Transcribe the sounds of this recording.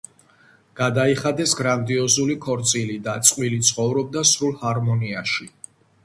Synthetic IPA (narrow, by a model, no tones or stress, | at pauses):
ɡ̥ad̪aiχad̪ɛsɡɾand̪iɔzulikʰɔɾt̪sʼilid̪at̪sʼqʼwilit̪sʰχɔvɾɔb̚d̪asɾulˠhaɾmɔniaʃi